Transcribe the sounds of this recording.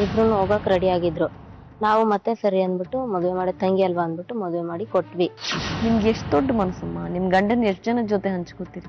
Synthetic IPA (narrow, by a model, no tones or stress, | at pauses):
ibɾunːuoːɡakɾɐɽiaːɡid̪ɾu | naːʋumɐt̪ːesɐɾiɐnd̪biʈːumɔd̪uʋemaːɽit̪ɐŋɡiɐlʋaɐnbiʈːumɔd̪uʋemaːɽikoʈːʋinimɐɡeʂʈd̪oɖːmɐnɐsɐmːanimɡɐɳɖɐnːeʂʈd͡ʒɐnɐd͡ʒoːt̪eɦɐɲt͡ʃkoːt̪iːɾi